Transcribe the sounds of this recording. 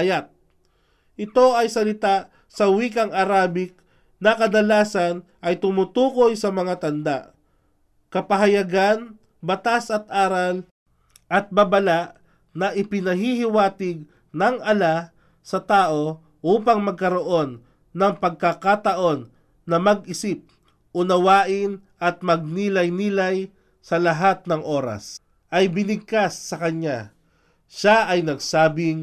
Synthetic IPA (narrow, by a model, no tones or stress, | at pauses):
ɐjat̪̚ | ʔɪt̪o̞ɐjsɐlɪt̪aʔ | sɐwiːkɐŋʔɐɾaːbɪk̚ | nɐkɐd̪ɐlaːsɐnʔɐjt̪ʊmut̪uːko̞jsɐmɐŋat̪ɐnd̪a̰ʔ | kɐpɐɦɐjɐɡan | bɐt̪asɐt̪ʔaːɾɐl | ʔɐt̪̚bɐbɐlaʔ | nɐʔɪpɪnɐɦihɪwaːt̪ɪɡ̚ | nɐŋʔɐla | sɐt̪aːʔo̞ | ʔuːpɐŋmɐɡ̚kɐɾo̞ʔo̞nː | ɐŋpɐɡ̚kakat̪ɐʔo̞nː | ɐmɐɡɪsip̚ | ʔʊnɐwaːʔɪn | ʔɐt̪̚mɐɡ̚niːlɐjniːlɐj | sɐlɐɦat̪̚nɐŋʔo̞ːɾɐ̰s | ʔɐjbɪnɪɡ̚kasːɐkɐɲa | ʃaʔɐjnɐɡsaːbɪŋ